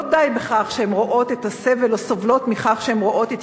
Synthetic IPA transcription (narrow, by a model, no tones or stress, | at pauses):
d̪ajbeχaχʃehemʁoʔo̞t̪et̪asevelosovlo̞t̪miχaχʃeemʁoʔo̞t̪et̪